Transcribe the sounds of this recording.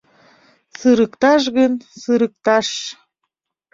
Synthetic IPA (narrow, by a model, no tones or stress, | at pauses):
sɨɾəkt̪ɑʃ̬ɣənsɨɾək̚t̪ɑʃ